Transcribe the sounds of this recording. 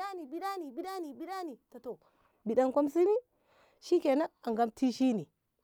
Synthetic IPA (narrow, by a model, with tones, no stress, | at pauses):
a˦ni˨bi˦ɗa˦ni˨bi˦ɗa˦ni˨bi˦ɗa˦ni˨ta˨to˨ | bi˨ɗa˦ŋkʷo˦ms̬i˦ni˦ | ʃi˦ke˨na˦a˨ŋɡa˦mti˦ʃi˦ni˨